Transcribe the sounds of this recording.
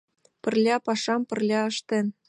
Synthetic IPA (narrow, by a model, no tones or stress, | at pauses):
pə̆rlʲɑpɑʃɑmpə̆rlʲɑɤʃt̪ĕn